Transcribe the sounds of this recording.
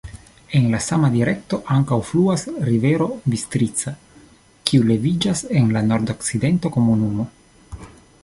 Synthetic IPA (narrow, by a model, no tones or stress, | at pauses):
e̞nlasamadiɾe̞k̚to̞ʔaŋkawfluasɾive̞ɾo̞bist̪ɾit͡sa | kiule̞vid͡ʒase̞nlano̞ɾd̪o̞kt͡sid̪e̞ntoko̞munumo̞